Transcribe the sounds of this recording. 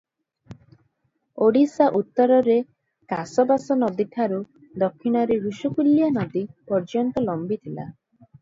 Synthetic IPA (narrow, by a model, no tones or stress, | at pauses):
oɽisaʔut̪ːɔɾɔɾe | kasɔbasɔnɔd̪iʈʰaɾu | d̪ɔkʰːiɽ̃ɔɾeɾuʃukuljanɔd̪ipɔɾd͡ʒɔnt̪ɔlɔmbit̪ʰila̰